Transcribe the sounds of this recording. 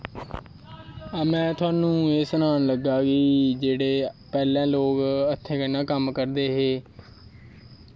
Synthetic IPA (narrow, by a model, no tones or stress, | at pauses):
aːmɛ̃ːt̪ʰʊaːnũːeːsənaːnləɡaːkid͡ʒeːɽeːpɛːlãːloːkət̪ʰːẽːkənaːkəmkəɾd̪eːɦeː